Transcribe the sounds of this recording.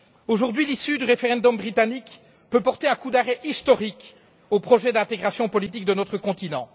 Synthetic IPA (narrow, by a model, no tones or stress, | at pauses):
oʒuʁd̪ɥilisyd̪yʁefeʁɑ̃d̪ɔmbʁit̪anik | pøpɔʁt̪eɛ̃kud̪aʁɛʔist̪ɔʁik | opχɔʒɛd̪ɛ̃t̪eɡʁasjɔ̃pɔlit̪̬ik̚d̪ənɔt̪χəkɔ̃t̪inɑ̰̃